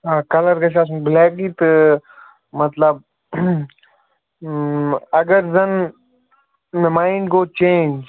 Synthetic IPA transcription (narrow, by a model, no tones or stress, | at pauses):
aːkɐləɾɡɐʃ̬aːs̬nblɛːk̚ɡiːt̪ɨ | mɐt̪ləb̚ | ɐɡəɾzɐn | nəmaːɪɳɖɡoːt͡ʃẽːnd͡ʒ